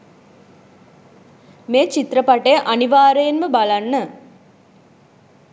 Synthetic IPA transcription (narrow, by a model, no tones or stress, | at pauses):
meːt͡ʃit̪ɾəpaʈəjəʔaniʋaːɾəjenməbalanːə